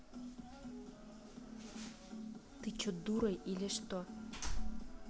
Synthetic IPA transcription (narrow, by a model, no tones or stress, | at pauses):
t̪ɨt͡ɕot̪̚d̪uɾɤjʔilʲeʃt̪o